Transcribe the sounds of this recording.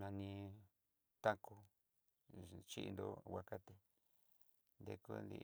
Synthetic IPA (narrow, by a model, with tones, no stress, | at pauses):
nã˧nĩ˧ | t̪a˦ko˧ | t͡ʃi˦ʔnd̪o̰˧˦wʷa˧ka˦t̪e˧ | nd̪e˧kṵ˦˧nd̪ḭ˧